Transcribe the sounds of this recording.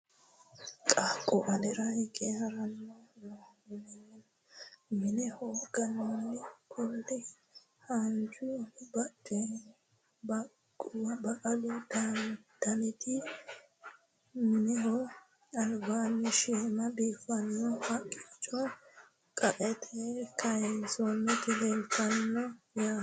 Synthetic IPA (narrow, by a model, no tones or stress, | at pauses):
kʼaːkʼːɔʔɐlɛɾɐhɛkʼeːhɐɾɐnːonɔɪnɛnɛ | mɪnɛhoːɡɐnːɔnːɪkʊld̪ɪ | hand͡ʒʊbɐkʼːɛ | bɐ | kʼːʊwɐbɐkʼɐlid̪̥and̪̥ɐnɛt̪ɪ | mɪnɛɦɔ | ɐlbaːnːɪʃɛmɐbiːfɐnːɔhɐkʼːɪ̥t͡ʃʼːɔ | kʼɐʔʼɛt̪ʰekʰɐjzɔnːɛt̪ɪleltɐnːɔ | jaː